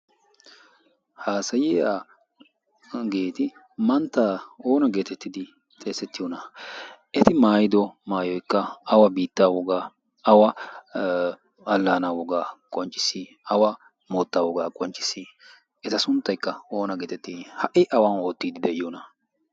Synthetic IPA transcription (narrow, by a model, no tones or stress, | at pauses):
haːsɐjɪaː | ɡeːt̪ɪ | mɐnt̪ːaːo̞ːnɐɡe̞ːt̪ɛt̪ːɪd̪ɪ | t̪ʼe̞ːsɛt̪ːɪjɔnɐʔɛt̪ɪmaːjɪd̪ɔmaːjɔjkːɐɐwɐbiːt̪ːaːwɔɡaː | ɐwɐ | ɐlːaːnaːwɔɡaːkʼɔnt͡ʃʼːɪ̥si | ɐwɐ | moːt̪ːaːwɔɡaːkʼɔnt͡ʃʼːɪ̥sːi | ɛt̪ɐsʊnt̪ːɐjkːɐo̞ːnɐɡeːt̪ɛt̪ːɪhɐʔɪʔɐwaːno̞ːt̪ːiːd̪ɪd̪ɛʔɪjoːnɐ